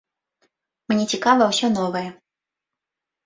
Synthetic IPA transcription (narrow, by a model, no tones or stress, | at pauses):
mnʲɛt͡sʲikavɐwsʲɔnɔvɐjɛ